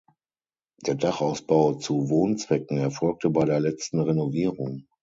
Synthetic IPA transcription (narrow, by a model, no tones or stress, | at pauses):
d̥eːɐdaχaʊsb̥aʊt͡suvoːnt͡sv̥ɛkŋ̩ɛɐfɔlk̚tʰəbaɪɾeːɐlɛt͡stn̩ʁenoviːʁʊŋ